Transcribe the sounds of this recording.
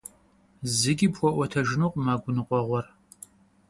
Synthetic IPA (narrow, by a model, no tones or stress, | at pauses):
zɪɡʲipxʷɔʔʷɔtʰɐʒɪnuːqʼmaːɡʷʊnɨqʷʼɔʁʷɔr